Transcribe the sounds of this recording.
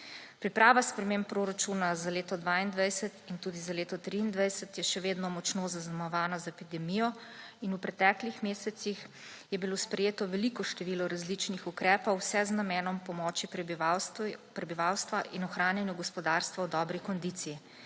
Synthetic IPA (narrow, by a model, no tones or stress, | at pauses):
pɾipɾaːʋaspɾɛmeːmpːɾoɾat͡ʃuːnazaleːt̪ɔd̪ʋaːind̪ʋɛjsɛt̪int̪uːd̪izaleːt̪ɔt̪ɾiːnd̪ʋajsɛt̪jɛʃɛʋeːd̪nɔmɔt͡ʃnoːzaznamɔʋaːnɔzaɛpid̪ɛmijɔinupɾɛt̪ɛklixmeːsɛt̪six | jɛbilospɾɛjeːt̪ɔʋɛlikɔʃt̪ɛʋiːlɔɾazlit͡ʃnixukɾɛːpɔwsɛznamɛːnɔmpɔmɔːt͡ʃip | pɾɛbiʋaːwst̪ʋaʔinɔxɾaːnjɛnjuɡɔspɔd̪aːɾst̪ʋawd̪ɔːbɾikɔnd̪iːt̪siji